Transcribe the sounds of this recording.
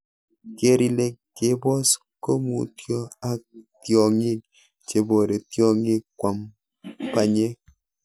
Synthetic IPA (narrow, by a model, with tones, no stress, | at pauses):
ke˦ɾi˦le˦kːe˦bɔ˦s | ko˦mṵ˨tjɔ˦a˦k̚tjɔ˨ŋɪ˦k̚ | t͡ʃe˨bo˨ɾe˨tjɔ˦ŋe˦k̚kwa˨m | pa˦ɲe˦